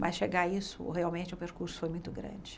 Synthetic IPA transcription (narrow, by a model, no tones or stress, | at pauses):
mʔɐsʃeɡaisʊ̰heawmẽnt͡ʃɪʊpeɾkuɾsʊ̥fojmũj̃t̪ʊɡɾɐ̰̃d͡ʒɪ